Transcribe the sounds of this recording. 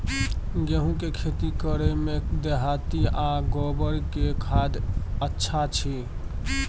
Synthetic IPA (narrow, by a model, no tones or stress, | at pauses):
ɡeɦũkekʰet̪ikəɾemed̪eɦat̪iaɡɔbəɾkekʰad̪ətːʃʰat͡ʃʰi